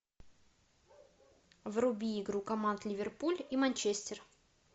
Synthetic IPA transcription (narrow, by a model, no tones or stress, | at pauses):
vrʊbʲiːɡɾukɐmant̪lʲɪvʲɪrpulʲimɐnʲt͡ɕesʲtʲer